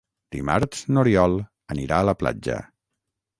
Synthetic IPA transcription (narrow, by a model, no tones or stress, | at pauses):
d̪̥ḭmaɾsnuɾiɔlˠ | əniɾaələpla̰d͡ʒə̰